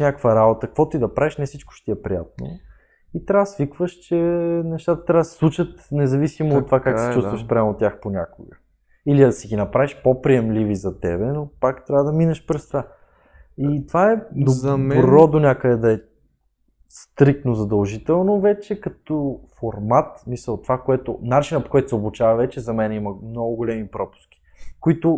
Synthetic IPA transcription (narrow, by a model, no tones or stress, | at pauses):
ʃnʲakəkvəɾabot̪əkəkvɔt̪ʊid̪ɐpɾaviʃnɛfsit͡ʃko̥ʃt̪iɛpɾḭja̰t̪̚no̰ | it̪ɾʲavəsvikvəʃt͡ʃɛnɛʃt̪at̪ə̥t̪ɾʲavəsɛ̥slˠuʃət̪nɛzɐvisimoːt̪ːovakaksɛt͡ʃust̪vəʃspɾʲamot̪ʲːjaxponʲa̰koɡə | iliɐd̪ɐsiɡʲinɐpɾaviʃpopɾiɛmlivizɐt̪ɛ̰bɛnopakt̪ɾʲavəd̪ɐminɐʃpɾɛst̪va | it̪ovaɛd̪obɾɔd̪onʲakəd̪ɛd̪ɐɛ | st̪ɾik̚t̪nozɐd̪ɐlˠʒit̪ɛlˠnovɛt͡ʃɛkɐt̪ɔfoɾmat̪smisəlˠt̪ovakoɛt̪ʊnat͡ʃinəpo̥kɔjt̪ʊ̥sɛoblʊt͡ʃavɐvɛt͡ʃɛzɐmɛnɛimɐmnɔɡʊɡolɛmipɾɔpʊ̥sk̟i̥ | koit̪ʊ